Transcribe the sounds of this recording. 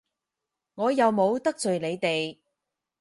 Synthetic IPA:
ŋɔː˨˧jɐ˨wmo˨˧wt̪ɐ˥k̚t͡sɵ˨ɥle˨˧jt̪e˨j

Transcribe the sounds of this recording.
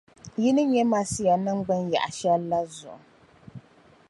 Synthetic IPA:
jɪ˦nɨ˦ɲɛ˦ma˦si˦ja˨nɨ˦ŋɡ͡bɨ˦nja̰˨ʔa˨ʃɛ˦lːa˦zʊ̰˨ʔʊ˨

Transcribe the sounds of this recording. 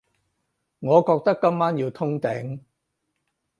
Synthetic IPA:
ŋɔː˨˧kɔː˧k̚t̪ɐ˥kːɐ˥mːaː˥njiː˧wt̪ʰʊ˥ŋt̪ɪ˨˥ŋ

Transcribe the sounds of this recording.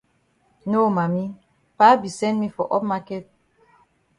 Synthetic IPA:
no˦ma˨mi˦ | pa˦bi˨sɛ̃˦nmi˦fɔ˨ʔɔ˦p̚ma˦kɛ˦t̚

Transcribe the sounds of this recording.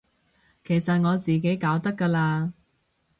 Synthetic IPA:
kʰe˨˩jsɐ˨t̚ŋɔː˨˧t͡siː˨ke˨˥jkaː˨˥wt̪ɐ˥kːaː˧laː˧

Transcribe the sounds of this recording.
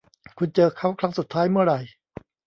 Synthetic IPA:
kʰu˧nt͡ɕɤː˧kʰa˦˥˩wkʰɾa˦˥ŋsu˨˩t̪ʰːaː˦˥jmɯ˥˩ɐɾa˨˩j

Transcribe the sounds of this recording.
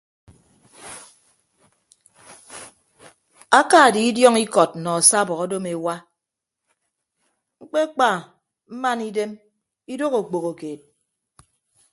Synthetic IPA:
a˦ka˦˨di˨i˦djɔ˦ŋi˦kɔ˨t̚nɔ˨a˨sa˦bɔ˨kɔ˦do˦me˨wa˦ | ŋ͡m̩˦k͡pe˦k͡pa˨ | m̩˦ma˦ni˦de˦m | i˦do˦ko˨k͡po˨ko˨keː˨t̚

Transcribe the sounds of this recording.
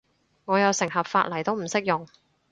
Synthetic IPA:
ŋɔː˨˧jɐ˨˧wsɪ˨˩ŋɦɐ˨p̚faː˧t̚lɐ˨˩jt̪o˥wm̩˨˩sɪ˥k̚jʊ˨ŋ

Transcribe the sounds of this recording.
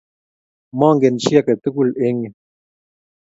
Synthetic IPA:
ma˦˨ŋ˦ɡe˨n˨ʃi˦a˦˨kə˨t̪ə˦ku˦˨le˦ŋ˨

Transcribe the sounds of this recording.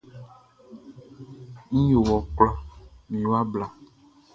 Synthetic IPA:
ŋ̩̃˦jo˨wɔ˨k͡plɔ˦mĩ˨wa˦bla˨

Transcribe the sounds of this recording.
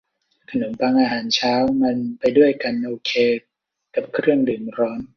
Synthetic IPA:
kʰa˧nu˩˦npaː˧ŋʔaː˧ɦaː˩˦nt͡ɕʰaː˦˥wma˧npa˧jdu˥˩əjka˧nʔoː˧kʰeː˧ | ka˨˩p̚kʰɾɯ˥˩əŋdɯː˨˩nɾɔː˦˥n

